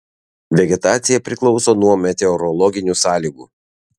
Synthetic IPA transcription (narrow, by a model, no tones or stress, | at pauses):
ʋʲɛɡʲɛt̪ɑːt̪sʲɪjɛpʲɾʲɪklˠɒʊsoːnuɔmʲɛt̪ʲɛɔɾɔlˠɔɡʲɪnʲuːˑsɑːlʲiːɡṵː